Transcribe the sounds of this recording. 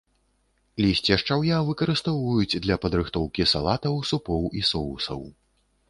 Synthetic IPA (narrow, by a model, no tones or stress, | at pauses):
lʲisʲt͡sʲiɐʂt͡ʂawjavɨkɐɾɨst̪ɔwɐjud͡zʲd̪lʲɐpɐd̪ɾɨxt̪ɔwkʲisa̰lˠat̪ɐwsupɔwisɔusɐ̰w